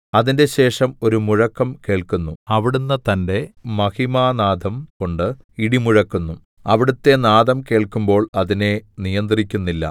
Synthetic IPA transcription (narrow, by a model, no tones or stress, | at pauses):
ɐðinde̞ɕe̞ːʂɐmo̞ɾumuɻɐkːɐmke̞ːɭkunːuɐʋiɽunːɐt̪ɐnde̞mɐhimaːnaːd̪ʱɐmko̞ɳɖɨ | iɽimuɻɐkːunːu | ɐʋiɽut̪ːe̞naːðɐmke̞ːɭkumbo̞ːɭɐðine̞nijɐnd̪rikʲːunːilːɐ̰